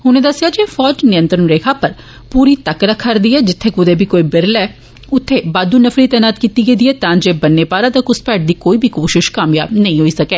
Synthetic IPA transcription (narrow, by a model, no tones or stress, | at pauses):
ɦʊnẽːd̪əsɪjaːd͡ʒeːfʰɔːd͡ʒnɪjə̃nt̪ɾənɾeːkʰaːpəɾ | puːɾiːt̪əkɾəkʰːəɾd̪iːɛːd͡ʒɪt̪ʰːeːkʊd̪eːbʱiːkoːiːbɪɾlɛː | ʊt̪ʰːeːbaːd̪uːnəfʰɾiːt̪ɛːnaːt̪kiːt̪iːɡeːd̪iːɛːt̪ãːd͡ʒeːbənːeːpaːɾãːt̪əkʊspɛːʈ̚d̪iːkoːiːbʱiːkoːʃɪʃkãːmjaːnəĩːɦoːiːsəkɛː